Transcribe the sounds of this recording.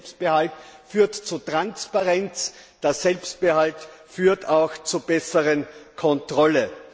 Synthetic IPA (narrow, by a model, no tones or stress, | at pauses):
pst̚b̥ɪhaltfyːɐtt͡sutʁ̥anspaʁɛnt͡sd̥eːɐsɛlpst̚b̥əhaltfyːɐtʰaʊxt͡subɛsəʁənkʰɔntʁ̥ɔlə